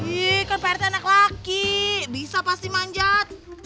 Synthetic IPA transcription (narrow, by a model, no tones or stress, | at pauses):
ikanpaɾt̪enaklakibisapast̪imaɲd͡ʒat̪̚